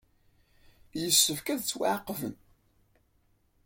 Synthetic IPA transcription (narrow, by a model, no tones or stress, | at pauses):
jəsːəvkæðt͡sːwaʕqːvən